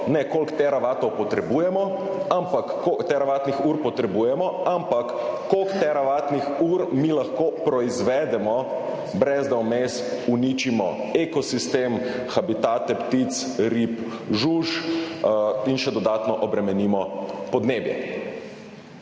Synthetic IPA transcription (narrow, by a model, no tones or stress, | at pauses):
nɛkolkt̪ɛɾaʋaːt̪ɔwpɔt̪ɾɛbujɛmɔ | ampakːokt̪ɛɾaʋaːt̪nixuɾpɔt̪ɾɛbujɛmɔampakː | okt̪ɛɾaʋaːt̪nixuːɾmilaxkoːpɾɔizʋɛd̪ɛmɔ | bɾɛzd̪ɛwmest̪unit͡ʃimɔ | ekɔsist̪em | xabit̪aːt̪ɛpt̪it̪s | ɾip | ʒuʃ | inʃɛd̪ɔd̪aːt̪nɔʔɔbɾɛmɛniːmɔpɔd̪neːbjɛ̰